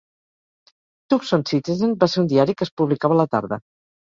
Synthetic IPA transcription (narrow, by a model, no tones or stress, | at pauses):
t̪uksonsit͡ʃezenbaseɾund̪iaɾikəspuβlikaβələt̪a̰ɾðə̰